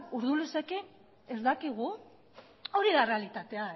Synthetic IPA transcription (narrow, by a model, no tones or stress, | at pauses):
uɾðulesake | ezd̪akiɣ̞u | o̞ɾiðare̞alit̪at̪e̞a